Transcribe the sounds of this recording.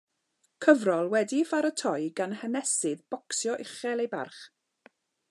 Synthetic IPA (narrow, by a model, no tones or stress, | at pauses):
kʰəvrɔlˠwɛdifaɾətʰɔjɡanhənɛsɪðb̥ɔksjɔʔɪχɛlˠejba̰rχ